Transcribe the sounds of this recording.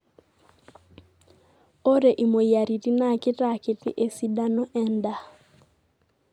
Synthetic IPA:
o˦ɾe˨ʔi˨mo˨ja˨ɾi˨ti˦na˦˨kɪ˦ta˨kɪ˨tɪ̰˦ʔe˨si˦da˦nɔ˦ʔɛ˦nda˨

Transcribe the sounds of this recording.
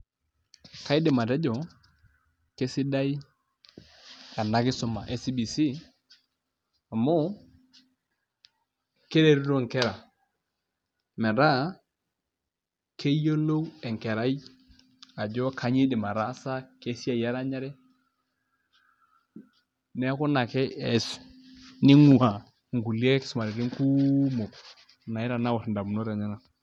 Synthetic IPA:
ka˦i˦dɪ˨ma˨dɛ˦d͡ʒɔ˨ | ke˦sɪ˦da˦i˦ | ka˨na˦kɪ˦sɔ˨ma̰˨ʔe˦si˦bi˨si˦ | a˨mo˦ | ke˦ɾe˦˨ɾɾo˦˨ŋ˨kɛ˦ɾa˨ | mɛ˨ɾa˦˨ | kʰe˦jo˦lo˦wɛ˨ŋkɛ˨ɾa˦i˦ | a˨d͡ʒɔ˦kʰa˨ɲi˦dɪ˨ma˨ɾa˦sa˦ke˦si˦a˦˨ja˦ɾa˦ɲa˦ɾɛ˦ | nɛ˦ku˦na˨kɛ˦ɛ˨s | ni˦ŋu˨a˨ | ŋ˨ɡu˨li˦e˦kɪ̥˦sʊ˨ma˨ɾɪ˨ɾi˦ŋ˦ku˦mo˨k | na˨i˦ɾa˨na˦wo˨tnda˨m˨no˦ɾa˨ɲa˦na˨

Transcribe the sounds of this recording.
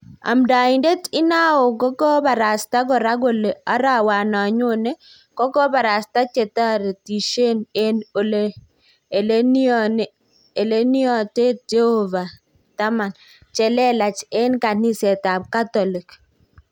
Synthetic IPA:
a̰˨mda˨ɪ˨nde˦tɪ˦na˦o˨kɔ˦kɔ˦ba˨ɾa˨sta˦ɡɔ˨ɾa˦ɡo˦le˨a˦ɾa˦˨wa˨na˨ɲʊ˦ne˦ | kɔ˦kɔ˦ba˨ɾa˨sta˦t͡ʃe˨ta˦ɾe˨ti˨ʃe˦ne˦no˨le | e˨le˦n˦n˨ | e˨le˦ni˦ɔ˨te˦t̚d͡ʒe˦ho˨va˨ | ta˦ma˨n | t͡ʃɛ˨lɛ˦la˨t͡ʃe˦nka˨ni˦sɛ˨ta˨b̚ka˦tɔ˨lɪ˨k

